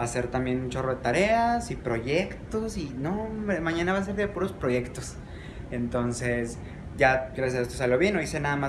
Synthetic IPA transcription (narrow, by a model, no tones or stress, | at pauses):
ase̞ɾt̪ambje̞nunt͡ʃo̞ro̞ðe̞t̪aɾe̞asipɾo̞ʝe̞kt̪osinomãɲãnaβas̬eɾðepuɾo̞spɾo̞ʝe̞kt̪o̞s | ent̪o̞nse̞s | ɟ͡ʝaɡɾasjasaest̪osaljoβje̞noisenaðama